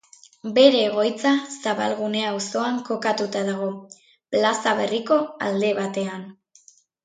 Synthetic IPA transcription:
be̞ɾe̞ːɣ̞o̞jt͡sasaβalɣune̞awso̞aŋko̞kat̪ut̪aðaɣo̞ | plasaβe̞riko̞a̰ld̪e̞βat̪e̞an

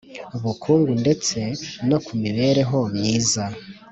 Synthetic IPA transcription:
uβukʰuːŋɡunde̞t͡se̞no̞kʰumiβe̞ːɾe̞ɦo̞mɲiːza

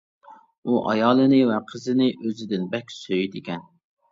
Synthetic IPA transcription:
uʔɑ̰jɑːlˠɨnɨvɛqʰəzɨnɪʔøzɪd̪ɪnbɛkʲsøjd̪ɪkʲɛn

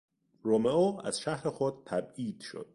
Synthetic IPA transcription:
ɾomeoːæ̰z̥ʃæhɾexod̪̚t̪ʰæbiːd̪̥ʃo̰d̪̥̚

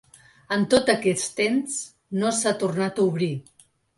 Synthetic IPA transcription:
ənt̪ot̪əkɛst̪ems | nosat̪urnat̪uβɾi

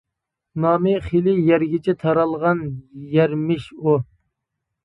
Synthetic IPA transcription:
nɑːmɪχilɪjɛɾɡʲɪt͡ʃʰit̪ʰɑɾɑlˠʁɑnjɛɾmɪʃu

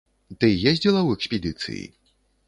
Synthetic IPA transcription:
t̪ɨjezʲd͡zʲilˠɐwɛksʲpʲɛd̪ɨt̪sɨ̰jḭ

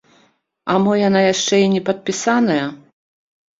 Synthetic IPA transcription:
ɐmɔjanajaʂt͡ʂɛinʲɛpɐt̪̚pʲisanɐjɐ

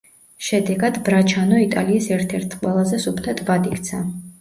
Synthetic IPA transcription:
ʃɛd̪ɛɡad̪bɾat͡ʃʰanɔit̪ʼaliːsɛɾt̪ʰɛɾt̪ʰqʼwɛlˠazɛsupʰt̪ʰat̪ʰbad̪ikʰt̪sʰa

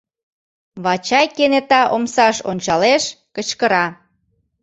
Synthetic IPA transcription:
βɑt͡ɕɑjkenet̪ɑʔomsɑʃonʲt͡ɕɑleʃ | kət͡ɕkəɾɑ

